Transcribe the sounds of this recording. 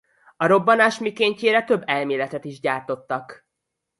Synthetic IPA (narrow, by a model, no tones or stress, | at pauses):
ɒɾo̞bːɒnaːʃmikeːɲceːɾɛt̪ø̞bːɛlmeːlɛt̪ɛt̪iʒɟaːrt̪o̞t̪ːɒk